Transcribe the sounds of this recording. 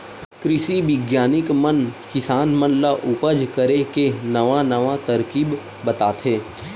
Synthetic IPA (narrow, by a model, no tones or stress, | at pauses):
kɾɪʃiʋɪɡjaːnɪkmənkɪsaːnmə̃nlaʔʊpəd͡ʒkəɾekenɐʋanɐʋat̪ɐɾkiːb | bɐt̪aːt̪ʰɦẽː